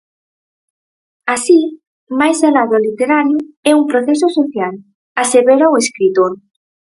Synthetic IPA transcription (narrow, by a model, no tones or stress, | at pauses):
asi | majzelaðolit̪eɾaɾjʊɛumpɾoθesosoθjal | aseβeɾaweskɾit̪oɾ